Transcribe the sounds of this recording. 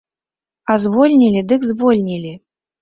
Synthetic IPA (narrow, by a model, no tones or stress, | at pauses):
azvɔlʲnʲilʲid̪ɨkzvɔlʲnʲilʲi